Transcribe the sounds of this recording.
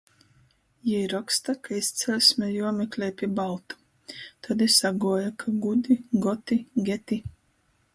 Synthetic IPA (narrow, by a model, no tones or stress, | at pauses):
jaiɾɔkst̪akaist̪sʲɛlsʲmʲɛjuɔmʲɛklʲɛjpʲiɛbalˠt̪u̥ | t̪ʰad̪isaɡuɔjakʰaɡud̪iɡɔt̪iɡʲɛt̪i